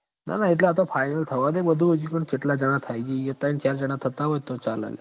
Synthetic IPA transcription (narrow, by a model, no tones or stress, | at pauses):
na̰nait̪̬laːt̪ɔfajnəlt̪ʰəʋad̪ebəd̪ʱuʋəd͡ʑiːkəɳkiʈlad͡ʑəɽ̃at̪ʰajd͡ʑiːjet̪aint͡ɕʰaɾd͡ʑəɽ̃at̪ʰːət̪aɦojt̪ot͡sala̰lja̰